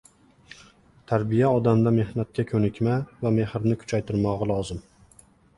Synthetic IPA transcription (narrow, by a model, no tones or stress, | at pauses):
t̪ʰaɾbijaɒd̪amd̪ame̞hnat̪̚kʲakʲʰɵnɪkʲmavame̞hɾnɪkʰʊ̥t͡ʃʰajt̪ʰɪɾmɒʁɑlˠɒzɪm